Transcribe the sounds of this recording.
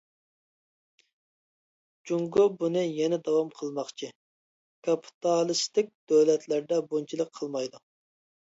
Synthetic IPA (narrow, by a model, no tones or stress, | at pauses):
d͡ʒuŋɡobunɨjɛnɛd̪ɑwɑmqʰəlˠmɑχt͡ʃʰi | kʰɑpʰi̥t̪ʰɑlˠɪst̪ɪk̚ʲd̪̥øwlɛt̪læɾd̪ɛbont͡ʃʰilˠəqqʰəlˠmɑjd̪u